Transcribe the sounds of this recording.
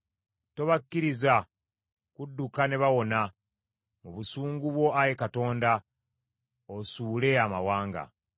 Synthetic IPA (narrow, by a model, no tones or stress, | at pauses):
to̞βakːiɾiza | kudːukane̞βawo̞na | muβusuːŋɡuβwo̞ʔajekato̞ːnda | osuːle̞amawaːŋɡa̰